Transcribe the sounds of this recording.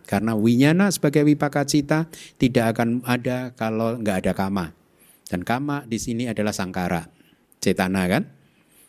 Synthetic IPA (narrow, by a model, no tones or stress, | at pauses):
karənawiɲanasəbaɡajwipakat͡ʃit̪at̪idaʔakanadakaloŋɡaʔːdakamaʔ | d̥ankamaʔdisiniadalahsaŋkaɾa̰ʔ | t͡ʃet̪anakan